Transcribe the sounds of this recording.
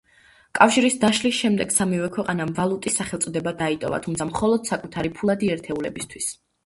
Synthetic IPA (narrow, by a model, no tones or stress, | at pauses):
kʼafʃiɾisd̪aʃlisʃɛmd̪ɛɡ̥samivɛkʰwɛqʼanamvalˠut̪ʼisːaχɛlt̪sʼɔd̪ɛbad̪ait̪ʼɔ̰va̰t̪ʰumt̪sʰamχɔlˠɔd̪̥sakʼut̪ʰaɾipʰulˠad̪iɛɾt̪ʰɛulɛbist̪ʰwis